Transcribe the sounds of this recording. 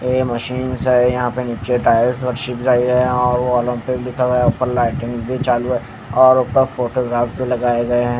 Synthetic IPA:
jeːmɐʃiːnzɦɛ̃jɐɦãpeniːt͡ʃeʈaːɪlsʋɐɾʃɪkd͡ʒaːeɡɐeɦɛ̃ɔːɾʋoɔːlə̃mpɪlɪkʰaɡɐjaʊpəɾlaːɪʈɪ̃ŋɡbʱit͡ʃaːlue | ɔːɾʊːpəɾfoːʈoɡɾaːfʈpelɐɡaːeɡɐeɦɛ̃ː

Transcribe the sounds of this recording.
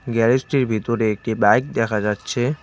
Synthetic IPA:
ɡɛɾesʈiɾbʱit̪oɾeek̚ʈibajk̚d̪ɛkʰad͡ʑatːɕʰe

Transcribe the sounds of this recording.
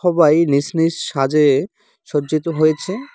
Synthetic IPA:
ɔbajnisniʃʃad͡ʑe | ʃod͡ʑit̪oɦojet͡ɕʰe

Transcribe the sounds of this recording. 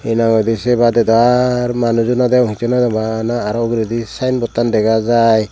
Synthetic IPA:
inaŋɔjd̪isɛbadɛdɔaɾmanuzunad̪ɛaŋhit͡ʃɔnadɔmanaːɾɔɡɾed̪isajnbɔt̪andɛɡazaj

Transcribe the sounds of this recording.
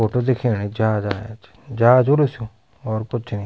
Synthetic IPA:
oːʈoːd̪ɪkʰeːɽ̃iːd͡ʒaːd͡ʒaːja̰t͡ʃ | d͡ʒaːd͡ʒolusjõː | ɔːɾkʊt͡ʃʰniː

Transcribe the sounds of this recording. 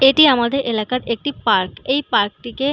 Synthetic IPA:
eʈiamad̪eɾelakaɾek̚ʈipaɾkejpaɾk̚ʈike

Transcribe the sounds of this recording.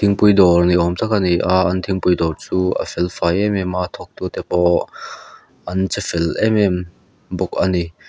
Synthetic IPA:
t̪ʰiŋpʊjd̪ɔrniʔɔmt̪ɐkaniʔaʔɐnt̪ʰiŋpujd̪ɔrt͡suʔɐ̰fɛlfajɛmɛmat̪ʰɔk̚t̪ut̪ɛpɔ | ʔɐnt͡səfɛlɛmɛm | bɔk̚ani

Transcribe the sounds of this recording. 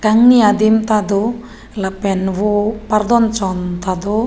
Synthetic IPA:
kaŋniad̪imt̪ad̪o | lapɛnwopard̪ɔnt͡ʃɔnt̪ad̪o

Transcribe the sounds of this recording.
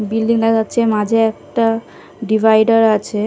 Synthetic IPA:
bilɖiŋlaɡatːɕʰemad͡ʑʱeɛk̚ʈa | ɖibʱajɖaɾat͡ɕʰe

